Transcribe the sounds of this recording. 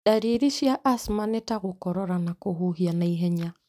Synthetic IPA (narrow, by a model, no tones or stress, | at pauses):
ɗaɾiɾiʃjaʔasmanɛtaɣukɔɾɔɾanakoɦuhianaiɦɛɲa